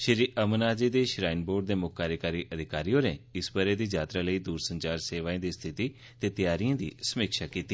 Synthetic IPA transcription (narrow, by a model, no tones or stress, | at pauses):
ʃəɾiːʔəmənaːd͡ʒiːd̪eːʃɾaːɪnboːɖ̚d̪eːmʊkkaːɾjəkaːɾiːʔəd̪ʱɪkaːɾijoːneːɪsbəɾeːd̪iːd͡ʒaːt̪ɾaləiːd̪uːɾsə̃ɲt͡ʃaːɾseːʋaːẽːd̪iːst̪ʰɪt̪iː | t̪eːt̪ɪjaːɾijãːd̪ḭːsəmɪkʃaːkiːt̪iː